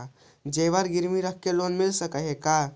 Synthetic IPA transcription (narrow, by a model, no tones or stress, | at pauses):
d͡ʒeʋaɾɡiɾmiɾəkkːelonmilsəkəɦeka